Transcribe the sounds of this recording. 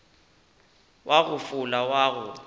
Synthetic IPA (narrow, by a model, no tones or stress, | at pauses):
wʔaɣʊfʊlawaːɣʊ